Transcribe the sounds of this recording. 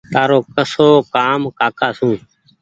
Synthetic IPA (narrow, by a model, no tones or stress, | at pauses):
t̪aːɾoːkəsoːkaːmkaːkaːsũː